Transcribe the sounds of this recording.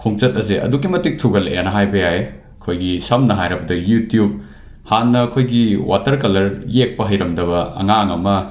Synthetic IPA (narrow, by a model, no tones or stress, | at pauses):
kʰoŋt͡ʃɐt̚ɐzeʔɐ̰dukːimɐtik̚tʰuɡɐlɐʔanɐɦajbɐjae | ɐkʰojɡisɐmnɐɦajɾɐbɐdɐjutijub̚ | hanːɐːkʰojɡiwatɐɾkɐlɐɾjek̚pɐɦɐjɾɐmdɐβɐɐ̰ŋaŋɐmɐ